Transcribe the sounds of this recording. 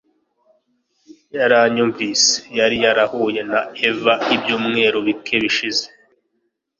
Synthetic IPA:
jaɾaɲuɱvise̥jaɾijaɾahuje̞nae̞vaibjuːmŋe̞ɾoβikʰe̞βiʃize

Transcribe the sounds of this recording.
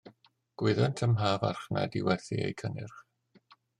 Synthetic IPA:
ɡ̥wɪðantʰəmɦaːvarχna̰diwɛθiḛjkʰənɪ̰rχ

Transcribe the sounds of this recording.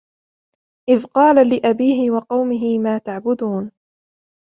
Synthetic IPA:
ʔɪðqɑːlalɪʔabiːɦɪwɑqɑwmɪɦɪmaːt̪aʕbʊd̪uːn

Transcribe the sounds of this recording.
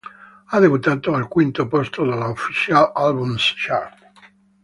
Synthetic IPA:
ad̪ebut̪aːt̪oalkwint̪opɔst̪od̪alːaofit͡ʃalalbumsʃaɾp

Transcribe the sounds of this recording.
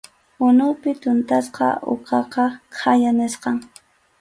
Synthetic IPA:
ʊnʊpɪt̪ʊnt̪asqɑ̰ʔʊ̰qɑqɑqʰajanɪsqɑŋ

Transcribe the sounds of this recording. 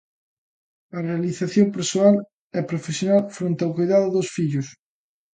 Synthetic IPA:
ɐrealiθaθjompeɾsoal | ɛpɾofesjonalfɾẽnt̪awkojðaðʊðosfiʎʊs

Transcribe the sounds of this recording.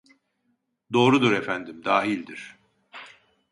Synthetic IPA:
d̪o̞ːɾud̪uɾefænd̪imd̪aːɦilʲd̪iɾ̥

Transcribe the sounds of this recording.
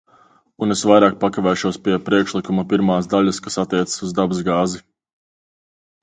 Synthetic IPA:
unesvajɾaːk̚pakavɛːʃuɔspiɛpɾiɛkʃlˠikumapiɾmaːsd̪aʎʲaskasat̪ːiɛt̪sə̥suzd̪abɨsɡaːzi

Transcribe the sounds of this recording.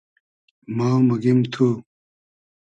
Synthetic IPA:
maːmɐɡimt̪ʰu

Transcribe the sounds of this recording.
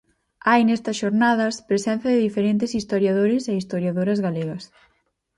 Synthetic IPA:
ajnest̪ɐsʃoɾnaðɐspɾesɛ̃n̟θjɐðɪðifeɾent̪ɪsist̪oɾjaðoɾɪseist̪oɾjaðoɾɐzɣaleɣɐs

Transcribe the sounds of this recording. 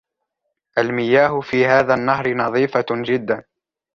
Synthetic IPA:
ʔalmɪjaːɦʊfiːɦaːðaːnːaɦɾɪnɑðˤiːfad͡ʒɪd̪ːan

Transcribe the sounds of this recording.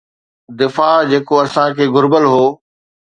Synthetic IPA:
d̪ɪfaːd͡ʑeːkoɐsãkʰeːɡʱʊɾbəlɦoː

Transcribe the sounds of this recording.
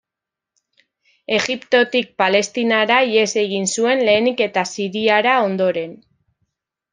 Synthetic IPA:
e̞ɣipt̪o̞t̪ik̚pale̞st̪inaɾaie̞se̞ɣ̞insue̞nle̞ːnike̞t̪asiɾiaɾao̞nd̪o̞ɾe̞n

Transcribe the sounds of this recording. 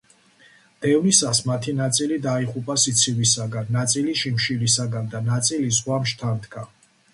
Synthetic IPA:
d̪̥ɛvnisasmat̪ʰinat̪sʼilid̪aiχupʼasit̪sʰivisaɡanːat̪sʼiliʃimʃilisaɡand̪anat̪sʼilizʁwamʃt̪ʰant̪kʰa

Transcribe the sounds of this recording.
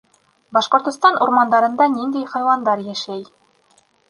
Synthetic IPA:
bɒʃqŏɾt̪ɤ̆st̪ɑnʔuɾmɑnd̪ɑɾɤ̆nd̪ɑnind̪æjχɑjwɑnd̪ɑɾjæʃæj

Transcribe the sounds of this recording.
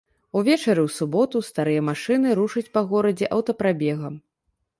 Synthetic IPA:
uvʲɛt͡ʂɐɾɨwsubɔt̪ust̪aɾɨjɐmaʂɨnɨɾuʂɐt͡sʲpɐɣɔɾɐd͡zʲɛʔɐwt̪ɐpɾabʲɛɣɐm

